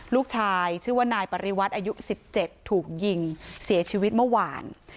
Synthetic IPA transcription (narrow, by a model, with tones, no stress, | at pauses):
luː˥˩k̚t͡ɕʰaː˧jt͡ɕʰɯː˥˩waː˥˩naː˧jpa˧ɾi˧˥wa˦˥t̪̚ʔaː˧ju˦˥si˨˩p̚t͡ɕe˨˩t̪ʰːuː˨˩k̚ji˧ŋsi˩˦t͡ɕʰiː˧wi˦˥t̪̚mɯ˥˩waː˧n